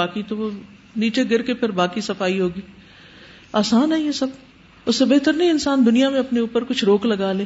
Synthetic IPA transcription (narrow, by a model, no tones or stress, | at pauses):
aːkit̪oʋo | niːt͡ʃeɡɪɾkepʰɪɾbaːkisɐfaːiɦoːɡiː | aːsaːnɦɐɛɦĩɦɛsɐb | ʊsːebeɦt̪əɾnɐɦĩɪnsaːnd̪ʊnijamẽɐpneuːpəɾkʊt͡ʃʰɾoːklɐɡaːlẽː